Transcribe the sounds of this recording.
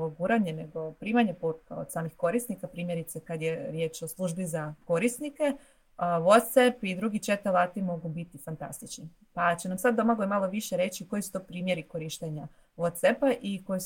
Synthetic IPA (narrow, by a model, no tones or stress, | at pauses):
oɡuːɾaɲeneɡo̞pɾiːmaɲepoɾ̚kaod̪saːmnixko̞ɾisnikapɾiːmje̞ɾit̪sekad̪je̞ɾje̞t͡ʃo̞slˠuːʒbizako̞ɾisnike̞ | ʋot̪sepid̪ɾuɡit͡ʃet̪olaːt̪imo̞ɡubit̪ifant̪a̰st̪it͡ʃni | pat͡ɕenamsad̪dːomaɡojmalˠoʋiʃeɾe̞t͡ɕiko̞jisu̥t̪opɾiːmje̞ɾiko̞ɾiʃt̪eɲa | ʋot̪sepaʔiko̞js